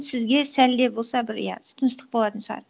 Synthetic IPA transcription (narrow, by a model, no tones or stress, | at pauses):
sɪzɡʲe̞sæld̪e̞bo̞lˠsɑbɪɾ̰jɑ̰ʊ̥t̪ʰənəʃt̪ə̥q̚bo̞lˠɑt̪ənʃəʁɑ̰ɾ